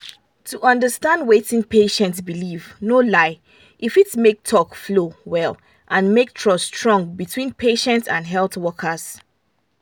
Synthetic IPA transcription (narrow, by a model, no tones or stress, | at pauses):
tʰuʔʌ̃ndəstãndwetɪ̃ŋpeʃɛ̃ntsbilivnolaɪ | ʔifitmek̚tʰɔkflowɛl | ʔãnmek̚tʰɹɔstɹɔ̃ŋɡbitʰwĩnpʰeʃɛ̃ntsãndɦɛlˠθwɔkʰəz̥